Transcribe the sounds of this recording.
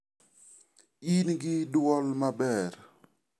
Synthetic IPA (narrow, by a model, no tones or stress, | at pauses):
inɡɪdwɔlmabɛɾ